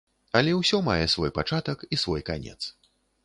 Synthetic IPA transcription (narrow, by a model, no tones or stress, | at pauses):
ɐlʲɛwsʲɔmajɛsvɔjpat͡ʂat̪ɐkisvɔjkanʲɛ̰t̪s